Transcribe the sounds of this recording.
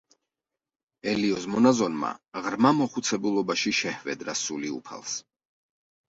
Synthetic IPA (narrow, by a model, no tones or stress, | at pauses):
ɛliɔzmɔnazɔnma̰ʁɾmamɔχut̪sʰɛbulˠɔbaʃiʃɛhvɛd̪ɾasuliṵpʰa̰lˠs